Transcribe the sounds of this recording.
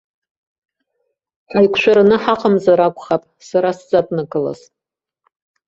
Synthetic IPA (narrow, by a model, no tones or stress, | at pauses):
ħʷajkʷʰʃʷʰᶣaɾanɨħaqʰʼamzaɾakʷʼχapʼsaɾasd͡zatʼnakɨla̰z